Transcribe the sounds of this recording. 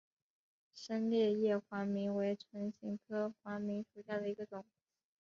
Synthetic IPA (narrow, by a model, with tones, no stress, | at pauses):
ʂə˥nljɛ˥˧jɛ˥˩xwa˧˥mi˧˥ŋwe˧˥ɪt͡sʰwə˧˥nɕi˧˥ŋkʰɤ˥xwa˧˥mi˧˥ŋʂu˨˩ɕja˥˩d̪ə˩i˧˥ɡə˧t͡sʊ˨˩˦ŋ